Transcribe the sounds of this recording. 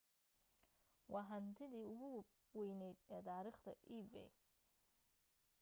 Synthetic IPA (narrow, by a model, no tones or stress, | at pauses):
wɑːɦɐnt̪ʰɪðiːʊɣʊ | wɛjnɛjd̪ɛːt̪aːɾiːχt̪ʰɐʔiːbɛ̰j